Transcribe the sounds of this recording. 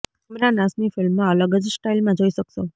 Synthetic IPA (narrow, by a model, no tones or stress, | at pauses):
əmɾanasnifɪlmːãələɡəd͡ʒsʈailmãd͡ʒoiʃəkʃo